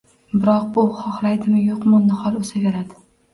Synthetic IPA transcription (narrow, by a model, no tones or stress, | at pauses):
bɪɾɒqbʊχɒχlajd̪ɪmɪjoqmʊnːɪhɒlˠosaɡʲaɾad̪ɪ̥